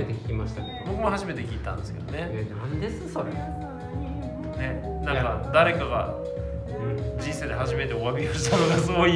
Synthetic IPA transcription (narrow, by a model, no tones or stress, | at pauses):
et̪ekʲi̥kʲimaɕi̥t̪akebokɯmoɦaʑime̞t̪e̞kʲiːt̪ã̰nd̪e̞sɨ̥ke̞d̪o̞ne̞nand̪e̞sɨsoɾe | ne̞nãkad̪aɾe̞kaɡa̰ | d͡ʑĩɰ̃se̞ːd̪e̞haʑime̞t̪e̞oβamʲioɕi̥t̪ʰanoɡasɨɡoi